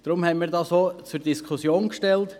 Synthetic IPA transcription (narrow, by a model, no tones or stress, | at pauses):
d̥ɾʊmhɛmiːɾdɑːsoːt͡suɾdiskʰχʊsjoːnkʃtɛlt